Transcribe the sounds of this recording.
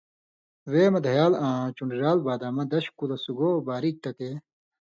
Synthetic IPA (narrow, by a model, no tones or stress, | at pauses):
weːmɐd̪ʱɐjaːlãːt͡ɕuɳɖɾaːlbaːd̪aːmɐ̃d̪ɐɕkulɐsuɡoːbaːɾik̚t̪ɐk̪e